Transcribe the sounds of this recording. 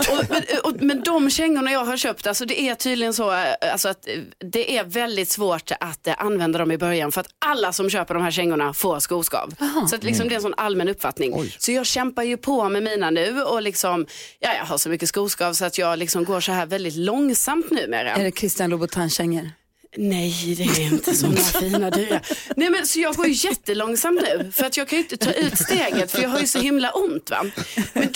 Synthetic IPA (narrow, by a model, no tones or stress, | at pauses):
ɔɛɔmɛnd̪ɔmɕɛŋːʊɳajɑːɡɦaɾɕøːpt̪alsɔd̪ɛʔæʈʰyːd̪lɪɡənsɔalsɔat̪d̪ɛʔæɾvɛld̪ɪt̪svoːʈat̪ːʔanːvɛnd̪ad̪ɔmɪbœɾjanfœɾat̪alːasɔmɕøːpəɖɔmhæːɾɕ̬ɛŋːʊɳafoːɾskuːlskɑ̰ːvsɔat̪lɪks̬ɔmd̪ɛnsɔnalmɛnɵpːfat̪nɪŋsɔjɑːɡɕɛmpaɾjɵpʰɔmɛmiːnanʉ̟ːɔlɪksɔmjɑːjɑ̰ːɦaʂɔmʏkːəskuːlskɑːvsɔat̪jɑːɡlɪksɔmɡoːʂɔhæːɾvɛld̪ɪt̪lɔŋːsamt̪nʉ̟ːmḛːɾa̰ɛɾɛkʰɾɪst̪anlʊbʊt̪ʰanɕɛŋːəɾ | nɛjd̪ɛɪnnt̪ʰəsɔnːafiːnad̪yːɾanɛmɛnsɔjɑːɡɡoːɾjɵjɛt̪ːəlɔŋsamt̪nʉ̟ːfœɾat̪jɑːɡkʰanjʏɪnt̪ət̪ʰɑːʔʉ̟ːt̪st̪eːɡət̪fœɾjɑːɡɦaɾjɵsɔɦɪmlaʔʊnt̪va̰mɛn